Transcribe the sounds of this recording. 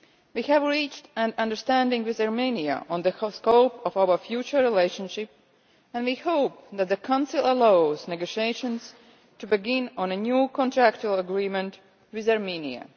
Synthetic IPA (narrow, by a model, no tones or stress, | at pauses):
wihævɹit͡ʃtæ̃nʌ̃ndə˞stæ̃ndɪ̃ŋwɪðaɹmĩniə̰ʔɔ̃nðəskoʊpɔvawə˞fjut͡ʃə˞ɹileɪʃə̃nʃɪp̚ | æ̃nwihoʊp̚ðæt̪̚ðəkʰãʊ̃nsɪlˠəlaʊznɛɡoʃieɪʃə̃ns | tubɨɡɪ̃nɔ̃nənjuːkʰɔ̃ntʰɹækt͡ʃuəlˠəɡɹĩmə̃nt | wɪðaɹmĩnḭə̰